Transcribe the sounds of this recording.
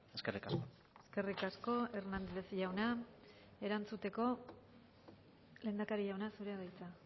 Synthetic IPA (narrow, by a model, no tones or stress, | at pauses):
eskerikasko | e̞ske̞rikasko̞e̞ɾnand̪lesʝawna | e̞ɾant͡sut̪e̞ko̞ | le̞ːnd̪akaɾiʝawnasuɾe̞aðajt͡sa